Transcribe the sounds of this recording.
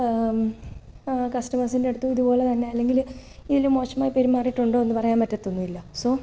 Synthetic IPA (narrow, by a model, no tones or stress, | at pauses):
kɐsʈɐmɐsindeɽut̪ːuiðupo̞ːɭe̞t̪ɐnːe̞ɐlːe̞ŋɡil | iðilumːo̞ːʂɐmaːjipeɾumːaːrijiʈːuɳɖoːonːɨpɐrɐjaːnpɐtːɐt̪ːonːuilːɐso